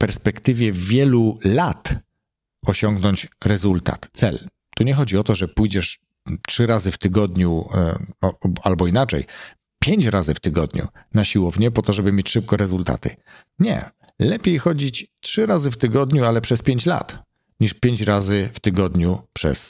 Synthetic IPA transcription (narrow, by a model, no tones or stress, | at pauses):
fpɛɾspɛkt̪ɘvʲjɛvʲjɛlulat̪ | ɔɕɔŋɡnɔɲt͡ɕɾɛzult̪a̰t̪sɛ̰l | t̪uɲɛxɔd͡ʑiɔt̪ɔʐɛpujd͡ʑɛʂ | tʂɘɾazɘft̪ɘɡɔd̪ɲu | ɔalbɔinat͡ʂɛ̰j | pʲjeɲt͡ɕɾazɘft̪ɘɡɔd̪ɲṵnaɕiwɔvɲɛpɔt̪ɔʐɛbɘmʲjet͡ɕʂɘp̚kɔɾɛzult̪a̰t̪ɘ̰ | ɲɛ̰ | lɛpʲjejxɔd͡ʑit͡ɕtʂɘɾazɘft̪ɘɡɔd̪ɲualɛpʂɛspʲjeɲt͡ɕla̰t̪ | ɲiʂpʲjeɲt͡ɕɾazɘft̪ɘɡɔd̪ɲupʂɛ̰s